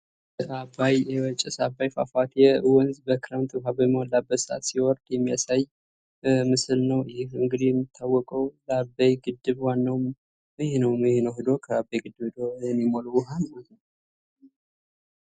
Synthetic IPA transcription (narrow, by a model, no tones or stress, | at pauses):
ʔabajɛwɔt͡ʃʼːɛsabajfa̰fat̪jɛwɔnzbəkɾant̪ʰʼɦabəmwalabːəsʔa̰t̪siwɔɾd̪̥jɛmːijasaj | mɨsɨlnəwjɪhɨŋɡɨd̪ijɛmːit̪ʰːawːɔkʼəwlabajɡɨd̪ːɨβwanːawm | ɨhnəwmjɪhnəwɦɨd̪o̞kʰəabːejɡɨd̪ːɨβhɨd̪oɛnimolwʊɦalmalə